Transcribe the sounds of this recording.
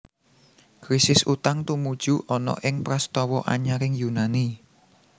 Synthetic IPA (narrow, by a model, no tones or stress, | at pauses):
kɾisɪsut̪aŋt̪umud̥ʒ̥uʔɔnɔ̰ʔɪŋpɾast̪ɔwɔʔa̰ɲaɾɪŋjunani